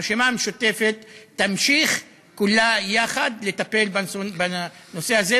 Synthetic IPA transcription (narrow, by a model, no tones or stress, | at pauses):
ʃimameʃut̪e̞fet̪ːamʃiχ | kulajaχad̪le̞t̪ape̞lbabano̞se̞haze